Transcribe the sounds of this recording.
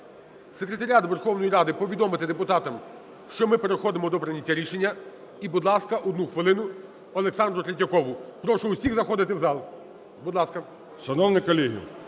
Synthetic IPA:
sekɾet̪ɐɾʲat̪ʋerxɔwnɔjiɾɑd̪ɪpɔʋʲid̪ɔmɪt̪ɪd̪epʊt̪ɑt̪ɐm | ʃt͡ʃɔmɪpeɾexɔd̪ɪmɔd̪ɔpɾɪnʲɐtʲːaɾʲiʃenʲːɐ | ibud̪lˠɑskɐʔɔd̪nuxʋɪlˠɪnʊ | ɔlˠeksɑnd̪ɾʊt̪ɾʲetʲːɐkɔʋʊpɾɔʃɔʊsʲiɣzɐxɔd̪ɪt̪ɪwzɑlˠ | bud̪lˠɑskɐ | ʃɐnɔwnɪkɔlʲiɦʲḭ

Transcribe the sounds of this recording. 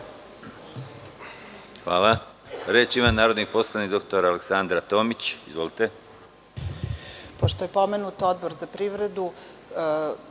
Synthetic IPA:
xʋaːla | ɾeːt͡ʃimanaːɾod̪nixpo̞slˠanikd̪o̞kt̪o̞ɾaːleksand̪ɾat̪o̞ːmit͡ɕizʋo̞lit̪e̞ | poʃt̪ojepo̞menut̪od̪̚bo̞ɾzapɾiʋɾe̞d̪u

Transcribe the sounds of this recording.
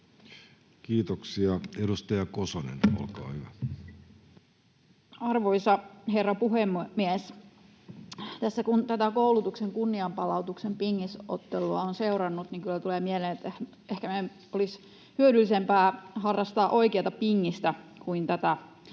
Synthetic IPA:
kiːt̪oksiɑedust̪ɑjɑkosonḛno̰lkɑ̰ːhyʋæ | ɑrʋoisɑherːɑpuɦemmies | t̪æsːækunt̪æt̪ækoulut̪ukseŋkunːiɑmpɑlɑut̪uksempiŋːisʔo̰t̪ːeluɑonseuɾɑnːut̪niŋkylːæt̪uleːmieleːnet̪ːe | ehkæme | olis | hyødylːisempæːhɑrːɑst̪ɑːʔoikeɑt̪ɑpiŋːist̪ækuint̪æt̪æ

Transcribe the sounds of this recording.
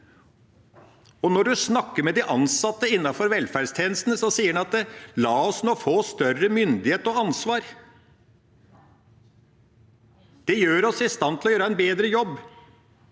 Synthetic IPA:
ɔnɔɖʉsnɑkːəmɛd̪ɪʔɑnsɑt̪ːəɪnːɑfɔɾʋɛlfæɖst̪ʰjeːnəst̪n̩əsɔsiːəɖɛnɑt̪̚d̪ɛlɑːɔsnoːfoːst̪œrəmʏnd̪ɪheːt̪ɔɑnsʋɑːɾ | d̪̥ɛjøːɾɔsɪst̪ɑnt̪ʰɪlɔjøːɾəæɪnbeːd̪ɾəjɔbː

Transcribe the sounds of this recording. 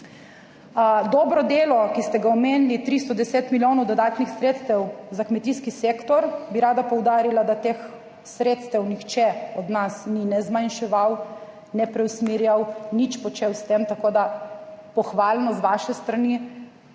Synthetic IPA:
d̪ɔːbɾɔd̪eːlɔkist̪ɛɡaɔmeːnlit̪ɾist̪ɔd̪ɛseːt̪miljoːnɔwd̪ɔd̪aːt̪nixsɾeːt̪st̪ɛwzakmɛt̪iskisekt̪ɔɾbiɾaːd̪apɔwd̪aːɾilad̪at̪ex | sɾeːt̪st̪ɛwnixt͡ʃɛɔd̪nasninɛzmajnʃɛʋaw | nɛpɾɛwsmiɾjawnit͡ʃpɔt͡ʃewst̪emt̪akoːd̪apɔxʋaːlnɔzʋaːʃɛst̪ɾani

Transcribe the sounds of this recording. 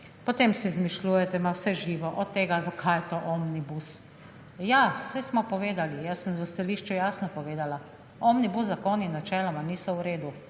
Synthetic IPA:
pɔt̪emsizmiʃluːjɛt̪ɛmawsɛʒiːʋɔʔɔt̪ːeːɡazakʰajɛt̪oʔɔmnibus | jasɛsmɔpɔʋeːd̪alijasːənzʋəst̪aliːʃt͡ʃujaːsnɔpɔʋeːd̪ala | ɔmnibuszakoninːat͡ʃɛːlɔmaniːsɔwɾeːd̪u

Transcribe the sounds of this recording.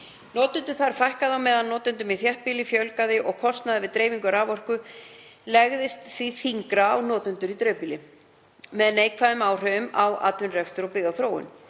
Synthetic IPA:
nɔːt̪ʏnt̪ʏɾ̥θaɾ̥fajhkaðawmɛːðanːɔːt̪ʏnt̪ʏmiθjɛhpiːlɪfjœlkaðɪʔɔɣkʰɔst̪naðɪvɪðt̪ɾeːjviŋkʏɾaːvɔr̥kʏlɛɣðɪst̪θviθiŋkɾaːwnɔːt̪ʏnt̪ʏɾit̪ɾœːpiːlɪ | mɛðneːjkʰvaðʏmaːwr̥œðʏma̰wa̰ːt̪vʏnrɛfst̪ʏɾɔpɪːɣawθɾoːwɪ̰n

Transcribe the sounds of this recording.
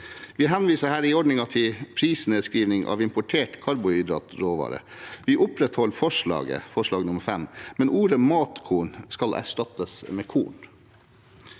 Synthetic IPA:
ʋiːɦɛnʋiːsəhæːɾɪɔɖɳɪŋɑt̪ʰɪpʰɾiːsneskɾiːʋnɪŋʔɑ̰ːʋɪmpʊʈʰeːʈkʰɑɾbʊɪd̪ɾɑ̰t̪ɾoːʋɑ̰ːɾə̰ʋɪʔʊpɾɛt̪hɔlːfɔʂɭɑ̰ːɡə̰fɔʂɭɑːɡnʊməɾfɛmmɛnʔuːɾəmɑːt̪kʰuːɳskɑlæ̰ʂʈɑt̪əsmeːkʰṵːɳ

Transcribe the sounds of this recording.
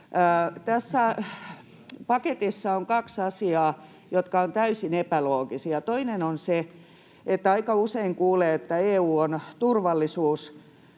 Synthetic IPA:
t̪æsːæ | pɑket̪isːɑoŋkɑksɑsiɑː | jot̪kɑont̪æysinepæloːɡisiɑt̪oinenonse | et̪ːæɑikɑuseiŋkuːleːet̪ːæeːuːont̪urʋɑlːisuːs

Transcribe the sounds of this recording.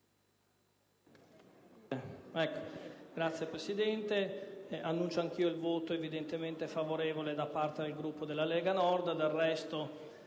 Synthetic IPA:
ɛkːo̥ɡɾat̪sːjepɾesid̪ɛnt̪eʔanːunt͡ʃoaŋk̟iːoilvoːt̪oevid̪ent̪ement̪efavoɾeːvoled̪apːart̪ed̪elɡɾupːod̪elːalɛːɡanɔrd̪d̪arːɛst̪o

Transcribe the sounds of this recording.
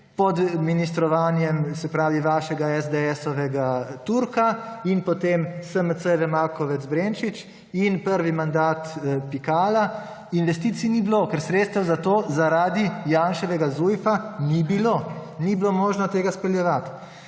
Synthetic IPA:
pɔd̪minist̪ɾɔʋaːnjɛmsɛpɾaːʋiʋaːʃɛɡaɛzd̪ɛɛsɔʋɛɡat̪uɾkainpɔt̪emsəmət̪səʋɛmaːɾkɔʋɛt̪zbɾent͡ʃit͡ʃ | inpəɾʋimand̪aːt̪pikaːla | inʋɛst̪iːt̪sinibloːkɛɾsɾet̪st̪əwzat̪oːzaɾaːd̪ijaːnʃɛʋɛɡazujfanibiloːniblomoːʒnɔt̪eːɡaspɛljɛʋat̪

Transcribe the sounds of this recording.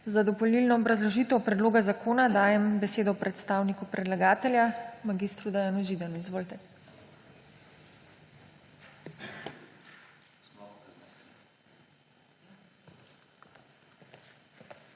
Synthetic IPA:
zad̪ɔpɔlilnɔːbɾazlɔʒiːt̪ɔwpɾɛd̪loːɡazakʰoːnad̪aːjɛmbɛseːd̪ɔpɾʔɛt̪st̪aːwnikupɾɛd̪laɡaːt̪ɛljamaɡist̪ɾud̪ajaːnuʒiːd̪anuizʋoːlt̪ɛ

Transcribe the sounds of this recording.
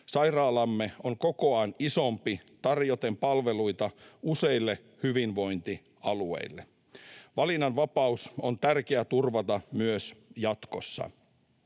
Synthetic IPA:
sɑjrɑːlɑmːeoŋkokoɑːnisompit̪ɑrjot̪e̞mpɑlʋeluit̪ɑuseilːe | hyʋinʋo̞int̪i | ɑluḛilːe | ʋɑlinɑnʋɑpɑusont̪ærkeæt̪urʋɑt̪ɑmyøsjɑt̪kosːɑ̰

